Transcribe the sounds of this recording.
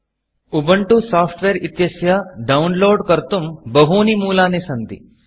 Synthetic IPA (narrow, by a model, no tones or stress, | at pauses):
ubɐɳʈusaːpʰʈʋeːɾit̪jɐsjaɖɐunloːɖkɐɾt̪umbɐɦuːnimuːlaːnesɐnt̪ḭ